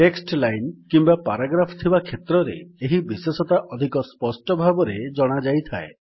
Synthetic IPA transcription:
ʈeksʈlajnkimbapaɾaɡɾapʰɔ̥t̪ʰibakʰet̪ɾɔɾḛeɦibisesɔt̪aʔɔd̪ʱikɔspɔsʈɔbʱabɔɾed͡ʒɔɽ̃ad͡ʒajt̪ʰae

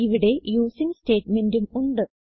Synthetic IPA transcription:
iʋiɽe̞juːsiŋsteːʈmendumuɳɖɨ

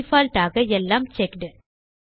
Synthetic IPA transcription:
faːlʈaːɣɐɛlːaːmt͡ʃɛkɖɯ

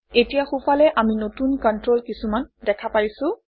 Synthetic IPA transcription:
etijaxupalɛʔaminotunkɔntɹolkisumandɛkʰapaɹisʊ̃

